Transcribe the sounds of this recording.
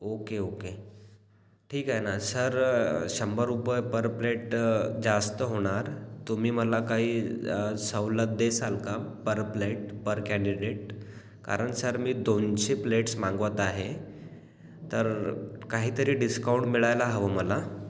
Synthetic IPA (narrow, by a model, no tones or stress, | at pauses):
okeoke | ʈʰiːkaɦenasəɾɕəmbəɾupəjpəɾpleʈd͡zast̪əɦoɽ̃aɾt̪um̤iːməlakaɦiːsəwləd̪esalkapəɾpleʈ̚pəɾkɛ̃ɳɖiɖeʈ̚ | ka̰ɾəɳsəɾmiːd̪onɕepleʈsmãŋɡʋət̪aɦe | t̪əɾkaɦiːt̪əɾiːɖiskauɳʈmiɭajlaɦəʋəməla